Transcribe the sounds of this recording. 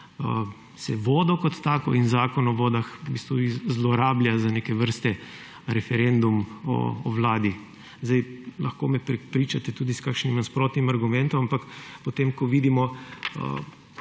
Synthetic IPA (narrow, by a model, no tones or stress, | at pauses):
ə | sɛʋɔːd̪ɔkɔt̪ːaːkɔinzaːkɔnɔʋɔːd̪axbiːst̪ʋuizlɔɾaːblʲjazanekɛʋəɾst̪ɛ | ɾɛfɛɾɛnd̪umɔ̰ːʋlaːd̪i | zd̪ajlɐxkomɛpɾɛpɾiːt͡ʃat̪ɛt̪uːd̪iskakʃnimnaspɾoːt̪nimaɾɡumɛnt̪ɔmampakpɔt̪emkɔʋiːd̪imɔə̰